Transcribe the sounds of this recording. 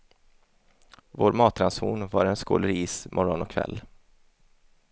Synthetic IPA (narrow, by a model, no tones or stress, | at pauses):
voːɾmɑːt̪ʰɾanshuːnvaɾɛnsko̰ːləɾiːsmʔɔɾɔnɔkʰvɛ̰lː